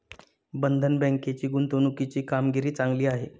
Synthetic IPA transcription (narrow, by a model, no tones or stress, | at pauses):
bənd̪ʱənbə̃ŋket͡ɕiːɡunt̪onukit͡ɕiːkamɡiɾiːt͡saŋɡliːaɦḛ